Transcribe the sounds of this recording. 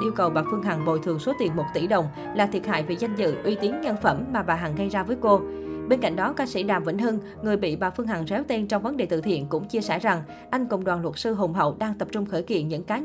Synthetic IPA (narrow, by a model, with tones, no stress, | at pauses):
ʔi˧əwkə˨˩wɓaː˨˩fɨ˧əŋɦa˨˩ŋɓo̰˧˨jt̪ʰɨ˨˩əŋso˨˦t̪i˨˩ənmo˨˩t̚t̪ḭ˧˩ɗə̰˨˩wŋ͡m | laː˨˩t̪ʰi˨˩ət̚ha̰ː˧˨jvḭ˨˩za˧jŋ̟zɨ̰˧˨ʔwi˧t̪i˨˦ənɲə˧nfə˧˩mːaː˨˩ɓaː˨˩ɦa˨˩ŋɣə˧jzaː˧vəː˨˦jko˧ɓe˧nka̰˧˨jŋ̟ɗɔ˨˦kaː˧sḭ˧˥ɗaː˨˩mvə̰˧˥nɦɨ˧ŋ | ŋɨ˨˩əjɓḭ˧˨ɓaː˨˩fɨ˧əŋɦa˨˩ŋzɛ˨˦wt̪i˧nt͡ɕɔ˧wŋ͡mvə˨˦nɗe˨˩t̪ɨ̰˧˨t̪ʰḭ˧˨ənkʊ̰˧˥ŋ͡mt͡ɕi˧əsɛ̰ː˧˩za˨˩ŋ | ʔa˧jŋ̟kʊ̰˧˩wŋ͡mɗwaː˨˩nlwə˨˩t̚sɨ˧ɦo˨˩ŋ͡mɦə̰˧˨wɗaː˧ŋt̪ə˨˩p̚t͡ɕʊ˧ŋ͡mxəː˧˩jkḭ˧˨nɲɨ̰˧˥ŋkaː˨˦